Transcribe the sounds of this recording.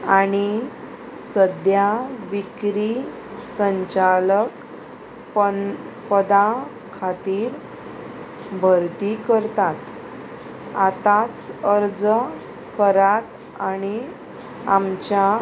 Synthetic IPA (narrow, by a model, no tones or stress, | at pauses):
aɽ̃i | səd̪jaʋikɾi | səɲt͡ɕalək | ppəd̪a | kʰat̪iːɾ | bʱəɾt̪ikəɾt̪at̪ | at̪at͡səɾd͡z | kəɾat̪ | aɽ̃i | amt͡ɕja